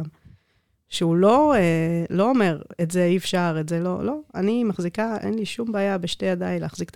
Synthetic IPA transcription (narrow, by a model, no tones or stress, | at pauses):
m | ʃeulo̞elo̞ome̞ʁetzeifʃaʁetze̞lo̞̰lo̞a̰nimaχzikaʔḛnliʃumbaːjabeʃtejad̪aileːχzikt̪